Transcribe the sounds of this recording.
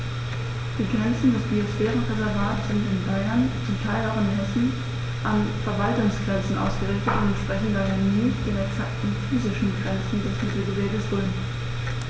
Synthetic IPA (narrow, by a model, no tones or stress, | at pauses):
d̥iːɡʁɛnt͡sn̩dɛsb̥iosfɛːʁən̩ʁezɛɐvaːtz̥ɪntɪnbaɪɐnt͡sʊmtʰaɪlaʊxɪnhɛsn̩ | ʔanfɛɐvaltʊŋsɡ̥ʁɛnt͡sn̩ʔa̰ʊsɡ̥əʁɪçtətɪnɛntʃpʁ̥ɛçn̩dɐɦɛɐniːd̥eːɐɛksaktn̩fyːzɪʃn̩ɡʁɛnt͡sn̩dɛsm̥ɪtl̩bəveːɡəsv̥ʊln